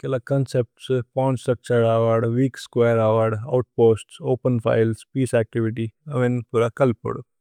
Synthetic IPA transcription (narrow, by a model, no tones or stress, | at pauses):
kelakɐnsep̚ʈspaːnsʈɾɐk̚t͡ʃəɾaːʋaɾɖʋiːkskwaːjəɾaːʋaɾɖɐ̰wʈ̚poːsʈsoːpənpʰa̰ːɪlspiːsɛːk̚ʈiʋiʈ̬iɐʋenpuɾakɐlpṵɽ